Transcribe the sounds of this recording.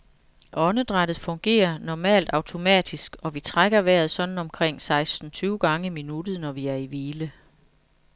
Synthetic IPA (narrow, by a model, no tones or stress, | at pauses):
ʔɒ̽nəd̥ʁad̥ð̩ˠfɔ̽ŋɡ̥e̝̰ːɐnɒmɛ̰ːld̥ɑ̈ʊt͡sʰo̝mɛ̰ːd̥isɡ̥ɒ̽ʋit͡sʰʁaɡ̥ɐʋæɐ̰ð̞̩ˠsɒ̽d̥n̩ɒ̽mkʰʁeŋ̰sɑ̈ɪsd̥n̩t͡sʰyːʊɡ̥ɑ̈ŋəiminud̥ð̩ˠnɒʋiæɐiʋiːlə